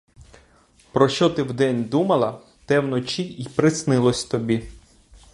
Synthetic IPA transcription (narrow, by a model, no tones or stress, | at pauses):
pɾɔʃt͡ʃɔt̪ɪwd̪ɛnʲd̪umɐlˠɐ | t̪ɛwnɔt͡ʃiipɾɪsnɪlˠɔsʲt̪ɔbʲi